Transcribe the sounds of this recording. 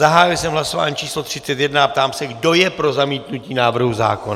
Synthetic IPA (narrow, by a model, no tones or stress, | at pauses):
zaɦaːjɪlsɛmɦlaso̞va̰ːɲiːt͡ʃiːslo̞t̪r̝̥ɪt͡sɛt̪jɛdnaap̚t̪aːmsɛɡdo̞jɛpɾo̞zamiːt̪nuciːnaːvr̩ɦuza̰ːkon